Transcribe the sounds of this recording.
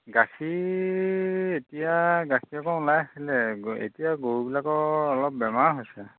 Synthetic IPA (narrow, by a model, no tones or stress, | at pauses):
ɡaki | etijaɡakʰiɛkɔʊ̃lajaxilɛḛtijaɡoɹubilakɔɹɔlɔp̚bɛmaɹɦojsɛ